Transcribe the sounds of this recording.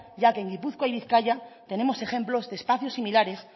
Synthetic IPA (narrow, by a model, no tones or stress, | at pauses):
ʝake̞eŋɡipuθkwajβiθkaʎat̪e̞ne̞mo̞se̞xe̞mplo̞zðe̞spaθjo̞sːimilaɾe̞s